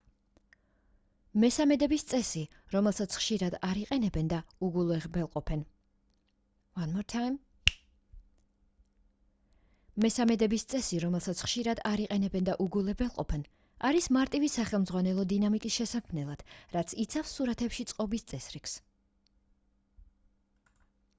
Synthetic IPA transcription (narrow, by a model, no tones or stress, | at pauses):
mɛsamɛd̪ɛbist̪sʼɛsi | ɾɔmɛlˠsat̪sʰχʃiɾad̪aɾiqʼɛnɛbɛnd̪auɡulˠɛbɛlˠqʼɔpʰɛn | vanmɔɾt̪ʰam | mɛsamɛd̪ɛbist̪sʼɛsiɾɔmɛlˠsat̪sʰχʃiɾad̪aɾiqʼɛnɛbɛnd̪aʔuɡulˠɛbɛlˠqʼɔpʰɛn | aɾismaɾt̪ʼivisaχɛlˠmd̪zʁwanɛlˠɔd̪inamikʼisʃɛsakʰmnɛlˠad̪̥ɾat̪sʰit̪sʰafsːuɾat̪ʰɛpʃit̪sʼqʼɔbist̪sʼɛsɾiks